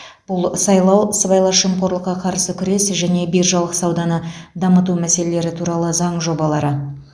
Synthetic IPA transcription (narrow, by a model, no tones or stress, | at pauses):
b̥ʊlˠsɑjlˠɑwsəbɑjlˠɑʃəmqo̞ɾlˠəqːɑqʰɑɾsəkʲʰʏɾe̞sʒæne̞bijɾʒɑlˠəqsɑwd̪ɑnəd̪ɑmət̪̬umæse̞le̞le̞ɾɪt̪ʰuɾɑlˠəzɑɴʒo̞bɑlˠɑɾə